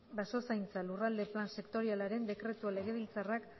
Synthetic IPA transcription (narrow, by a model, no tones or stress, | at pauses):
baso̞sajnt͡salurald̪e̞planse̞kt̪o̞ɾialaɾe̞nd̪e̞kɾe̞t̪uale̞ɣe̞βilt͡sarak